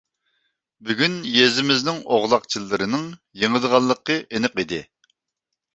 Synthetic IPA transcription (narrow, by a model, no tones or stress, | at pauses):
byɡʲynjezɪmɪznɪŋoʁlˠɑqt͡ʃʰilˠːɨɾɨnɨŋ | jəŋəd̪əʁɑlˠːəqːəʔenɨqid̪ɪ